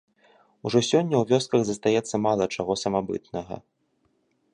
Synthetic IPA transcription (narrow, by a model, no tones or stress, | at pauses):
uʐɔsʲɔnʲːɐwvʲɔskɐɣzɐst̪ajɛt̪sːɐmalˠɐt͡ʂaɣɔsɐmabɨ̰t̪nɐɣɐ̰